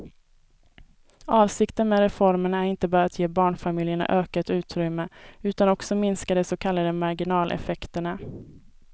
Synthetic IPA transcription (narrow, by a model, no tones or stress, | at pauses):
ʔɑːvsɪkt̪ənmeːɾɛfɔɾməɳaæɾɪnt̪əbɑːɾaat̪ʰjeːbɑːɳfamɪːljəɳa̰ʔøːkat̪ʉ̟ːt̪ɾʏmːəʉ̟ːt̪anɔksɔmɪnskad̪ɛsɔkʰalːad̪əmaɾɡɪnɑːlʔɛ̰fɛkt̪əɳa